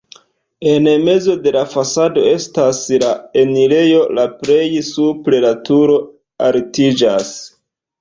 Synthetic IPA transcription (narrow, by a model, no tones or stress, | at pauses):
e̞nme̞zo̞de̞lafasado̞e̞staslaenile̞jo̞lapɾe̞jsupɾe̞latuɾo̞ | aɾtid͡ʒas